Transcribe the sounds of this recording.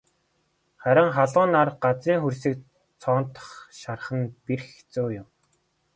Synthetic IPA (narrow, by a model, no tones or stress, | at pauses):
χæɾʲə̆ɴχaɮʊːnarɢat͡siːŋxursĭːk̚ | t͡sʰɔːnt̪ə̥̆χʃarχə̆npirxt͡soːjʊm